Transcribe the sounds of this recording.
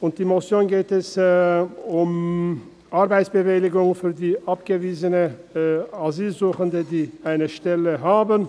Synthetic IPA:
ʊnt̚d̥iːmosjoːnɡeːtɛs | ʊm | ʔaɐʁbaɪtsb̥əvɪlɪɡʊŋfyːɐdiːʔapɡ̥əviːzənə | aziːlzuːxəndədiːʔaɪnəʃtɛləɦaːbən

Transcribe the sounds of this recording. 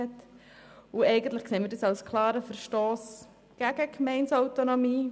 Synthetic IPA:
ɛt̪ | uɛɪɡən̩t̪ləχkseːnmiɪɾdəsɑwskʰlɑːɾəfəɾʃtoːs | ɡ̥æɡ̥əkmɛɪnsawt̪onomiː

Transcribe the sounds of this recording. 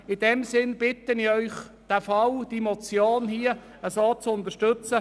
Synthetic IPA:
ɪd̥ɛmsɪnb̥ɪt̪ənɪœʏχ | d̥æfɑld̥imot͡sjoːnhiə | əsoːt͡sʊnt̪əʃtɵt͡sə

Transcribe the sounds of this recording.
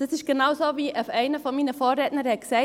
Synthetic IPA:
d̥ɑsɪʃɡ̥enaʊzoːviːafɛɪnəfɔnmiːnəfoːɾɾɛtnəɾhɛt̚ksɛɪ

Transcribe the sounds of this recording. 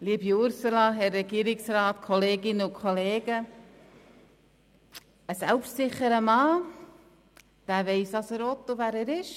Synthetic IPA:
liːbjʊɾsulɑɦɛrːɛɡ̥iːɾɪksraːtkʰɔleːɡɪnəʊnkʰoleːɡ̥ə | əsɛlpʃtsɪχəɾəmɑː | d̥æːveɪsɑsəɾɔt̪ːovæːɾæːɾɪʃ

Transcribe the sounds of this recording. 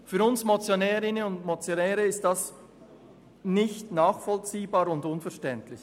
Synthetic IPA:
fyːɾʊnsmot͡sjonɛːɾɪnəʊndmot͡sjonɛːɾəɪstd̥as | nɪçtnaːχfɔlt͡siːbaːɾʊndʊnfɛɐʃtɛntlɪç

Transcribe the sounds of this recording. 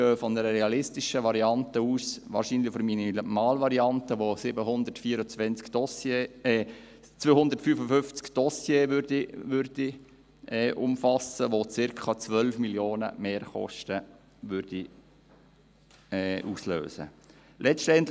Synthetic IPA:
øːfɔnəɾəɾɛɑlɪstɪʃəʋɑɾiɑnt̪əuːsʋɑ̰ːɾʃinlɪfɔɾminimɑːlʋɑɾiɑnt̪əʋosɪbəhʊnd̪ərtfiːəɾʊt͡sʋɛnt͡skd̥ɔseɛ | t͡sʋoːhʊndəɾtfyːfəfʏnft͡skd̥ɔsjeːʋʏɾdiʋʏɾd̥i | ʔɛːʔʊ̰mfɑsəʋot͡sɪɾkʰɑt͡sʋœlfmiljoːnə̰meːɾχɔ̰ʃtə | ʋʏɾd̥i | ɛʔuːslø̰ːsə̰ | lʔɛʃtɛnt̪

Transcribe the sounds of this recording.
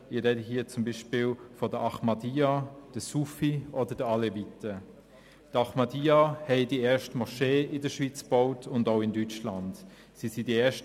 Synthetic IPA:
ɪɾɛdəɦiːət͡sʊmbiːʃpɪːlfɔdəʔɑχmɑdiːad̥əsufiʔɔdədəɑlɛvitə | d̥ɑχmɑdiahɛɪdiɛːʃtəmɔʃeːɪdəʃvit͡sb̥ɔʊtʰʊndaʊɪndyt͡ʃland | sisidiɛːʃt

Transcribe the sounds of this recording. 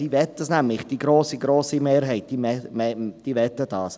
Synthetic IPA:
d̥iːvɛt̪ːdəsnæmlɪχd̥iɡɾoːsiɡɾoːsimeːɾɦɛɪt̚d̥iːmɛmd̥iːʋɛt̪əd̥ɑːs

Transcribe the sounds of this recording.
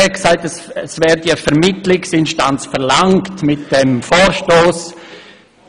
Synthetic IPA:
ɛksaɪtɛsɛsvɛːɾdiəfɛɾmɪtlɪksɪnʃtant͡sfɛɾlaŋktmɪt̚d̥ɛmfɔːɾʃtoːs

